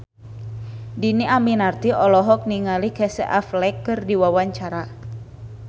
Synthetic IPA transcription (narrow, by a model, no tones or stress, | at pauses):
diniʔaminart̪iɔlɔɦɔk̚niŋalikɛsɛ̰ʔaflɛkːɨrdiwawaɲt͡ʃaɾa